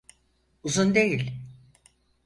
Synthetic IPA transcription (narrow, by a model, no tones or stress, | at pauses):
uzund̪ejilʲ